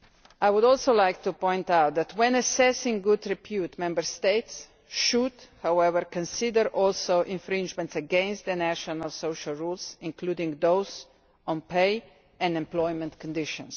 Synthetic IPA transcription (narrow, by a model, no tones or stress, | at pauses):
ajwʊdɔlsoʊlajk̚t̪upɔ̃ɪ̃nt̪awt̪̚d̪ɛt̪wɛ̃nəsɛsɪ̃ŋɡud̪ɾipʰjut̪mɛ̃mbəɹst̪eɪts | ʃud̪hawɛvəɹkɔ̃nsidəɾʔɔlsoʊʔɪ̃ɱfɾĩnd͡ʒmɛ̃ntsəɡɛ̃nst̪̚d̪ənæʃɔnalsoʊʃalɹulsɪ̃ŋkluːdĩŋɡd̪oʊz | ɔ̃npeɪ | ɛ̃ndɛ̃mplɔjmɛ̃nt̪kɔ̃nd̪ɪʃɔ̰̃ns